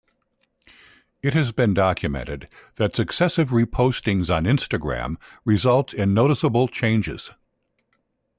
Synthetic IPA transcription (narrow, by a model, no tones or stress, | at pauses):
ɨt̚hɨzbɨ̃ndɑkʰjɨmɛ̰̃ñtɨd̪̚ðɨtsɨksɛsɨvɹipʰoʊstɪ̃ŋz̃n̩ɪ̃nstɨɡɹæ̰̃mɹɨzʌlˠtʰɨ̃nːoʊɾəsəbl̩ˠt͡ʃʰẽɪ̃nd͡ʒɪ̰z̥